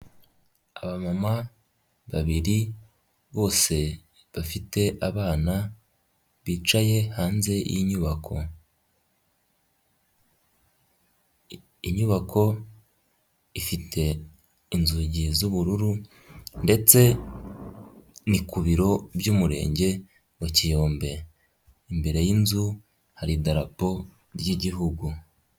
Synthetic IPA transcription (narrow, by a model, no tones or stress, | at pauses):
aβamama | βaβiɾi | βo̞ːse̞ | βafite̞ʔaβaːna | βiːt͡ʃaje̞haːnze̞jḭɲuβakʰo̞ | iɲuβakʰo̞ | ifitʰe̞ | inzuɟizuβuɾuɾu | nde̞t͡se̞ | nikuβiɾo̞bjuːmuɾe̞̰ːɲɟe̞ | wacijo̞ːmbe̞ | imbe̞ɾe̞jinzu | haɾidaɾapo̞ | ɾɟiɟiɦuɡu